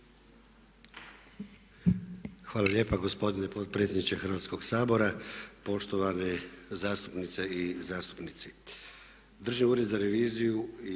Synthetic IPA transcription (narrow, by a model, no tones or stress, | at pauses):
xʋaːlalʲje̞ːpaɡo̞spo̞d̪inepot̪pɾet̪sjed̪nit͡ʃexɾrʋaːt̪sko̞ɡsaːbo̞ɾapo̞ʃt̪o̞ʋanezaːst̪u̥pnit̪seizaːst̪u̥pnit̪si | d̪r̩ʒiuːɾed̪zaɾe̞ʋiːzijui